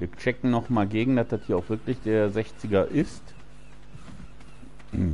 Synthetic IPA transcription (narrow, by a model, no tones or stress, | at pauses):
viːɐt͡ʃɛkŋ̩nɔχmaːlɡeːɡŋ̩dasd̥athiːɐaʊxfv̥ɪɐklɪçd̥eːɐzɛçt͡sɪɡɐʔɪst